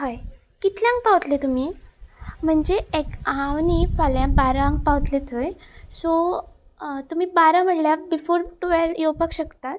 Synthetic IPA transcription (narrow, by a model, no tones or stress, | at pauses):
ɦaj | kit̪ʰljãŋɡ̚pawt̪let̪um̤iː | m̤əɳd͡zeekawnifaljãbaɾaŋɡ̚pawt̪let̪ʰojso | t̪um̤iːbaɾãm̤əɽljabifoɾʈuʋɛljowpakɕəkt̪at̪̚